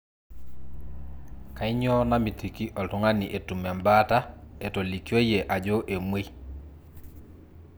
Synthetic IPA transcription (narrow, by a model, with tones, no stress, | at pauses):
ka˨ɪ˦ɲɔ˦na˦mi˨tʰi˨ki˦ʔɔ˨tʊ˦ŋa˦ni˨ʔe˨tu˨m˨a˨mba˦ta˦ɛ˨to˨li˨kjo˦je˨ʔa˨d͡ʒo˦ʔe˨mwe˦